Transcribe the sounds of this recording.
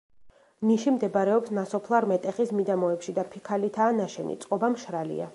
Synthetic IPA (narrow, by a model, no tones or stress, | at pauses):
niʃimd̪ɛbaɾɛɔpsnasɔpʰlˠaɾmɛt̪ʼɛχismid̪amɔɛpʃid̪apʰikʰalit̪ʰaːnaʃɛnḭt̪sʼqʼɔbamʃɾalḭa̰